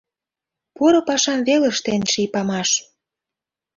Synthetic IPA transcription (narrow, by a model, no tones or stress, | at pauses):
puɾŏpɑʃɑmβelĕʃt̪enʃipɑmɑʃ